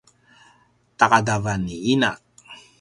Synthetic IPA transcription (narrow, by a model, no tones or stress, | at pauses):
t̪aqadavaniinaʔ